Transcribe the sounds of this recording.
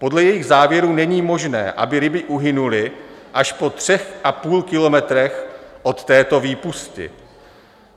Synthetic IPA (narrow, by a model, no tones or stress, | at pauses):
po̞dlɛjɛjɪɣzaːvjɛɾuːnɛɲiːmo̞ʒnɛ̰ːʔa̰bɪɾɪbɪʔuɦɪnulɪʔaʃpo̞t̪r̝̥ɛxʔapuːlkɪlo̞mɛt̪ɾɛxʔo̞t̪ːɛːt̪o̞viːpuscɪ̰